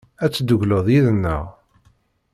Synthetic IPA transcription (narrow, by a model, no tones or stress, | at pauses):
æt͡sːd̪əʝləðˤjiðənːə̰ʁ